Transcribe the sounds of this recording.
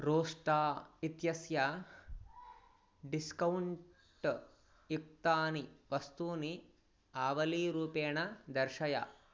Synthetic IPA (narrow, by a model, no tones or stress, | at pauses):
ɾoːʂʈaːit̪jɐsja | ɖiskɐwɳ | ʈ | juk̚t̪aːniʋɐst̪uːni | aːʋɐliːɾuːpeːɳɐd̪ɐɾʃɐja̰